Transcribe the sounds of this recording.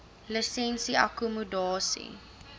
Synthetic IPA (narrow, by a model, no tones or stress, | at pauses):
lisɛnsia̰kumudɑːsḭ